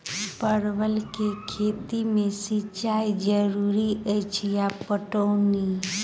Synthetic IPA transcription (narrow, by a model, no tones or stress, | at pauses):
pəɾʋəlkekʰet̪imẽsit͡ʃajd͡ʒəɾuɾiət͡ʃʰijapəʈoni